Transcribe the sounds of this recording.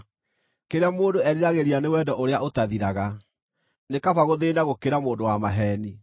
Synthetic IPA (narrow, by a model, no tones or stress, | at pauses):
keɾeamoːndoɛɾiɾaɣeɾianewɛdɔʔoɾeaotaðiɾaɣa | nekafaɣoðenaɣokeɾamoːndowamaɦɛːni